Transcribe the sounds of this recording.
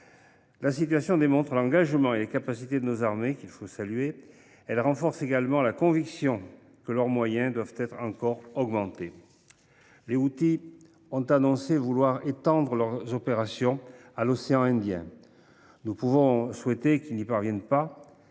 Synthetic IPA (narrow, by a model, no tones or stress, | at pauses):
lasit̪ɥasjɔ̃d̪emɔ̃t̪χəlɑ̃ɡaʒmɑ̃elekapasit̪ed̪ənozaʁmekilfosalɥe | ɛlʁɑ̃fɔʁseɡalmɑ̃lakɔ̃viksjɔ̃ | kəlœʁmwajɛ̃d̪wavt̪ɛt̪χɑ̃kɔʁɔɡmɑ̃t̪e | leut̪i | ɔ̃t̪anɔ̃sevulwaʁet̪ɑ̃d̪ʁəlœʁzɔpeʁasjɔ̃alɔseɑ̃ɛ̃d̪jɛ̰̃ | nupuvɔ̃swɛt̪ekilnipaʁvjɛnpa